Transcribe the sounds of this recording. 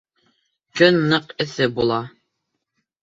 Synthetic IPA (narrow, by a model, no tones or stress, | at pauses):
kɵnːɤqɘ̆θɘbulˠɑ